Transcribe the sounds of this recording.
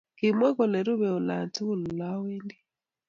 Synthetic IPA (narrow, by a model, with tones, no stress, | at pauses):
ki˨mwɛ˦kɔ˨lɛ˨ɾu˦βɛ˨o˨la˨ntu˦ɣu˦˨lu˨la˦wiː˦ndi˦